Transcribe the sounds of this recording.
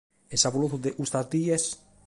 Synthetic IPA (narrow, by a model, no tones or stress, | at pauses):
esaβuluθuðeʔust̪azd̪ies